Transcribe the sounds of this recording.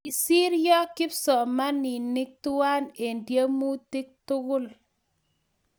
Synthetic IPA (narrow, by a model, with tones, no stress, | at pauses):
i˨si˦ɾjɔ˦kɪ˦psɔ˨ma˦ni˨ni˦k̚tu˦a˦ne˨ndje˦mu˦ti˦k̚tʊ˦ɡʊ˦˨l